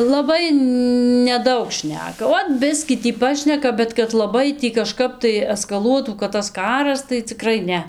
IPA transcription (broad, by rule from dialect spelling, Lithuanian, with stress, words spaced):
lˠɐˈbɐɪ nʲɛˈdɐʊk ˈʃʲnʲæːkɐ ˈoːt ˈbʲɪsʲkʲiː tʲiː ˈpɑːʃʲnʲɛkɐ bʲɛt kɐt lˠɐˈbɐɪ ˈtʲiː kɐˈʃkɐp tɐɪ ɛskɐˈlˠuɔtuː kɐt tɐs ˈkɑːrɐs tɐɪ t͡sʲɪˈkrɐɪ ˈnʲɛ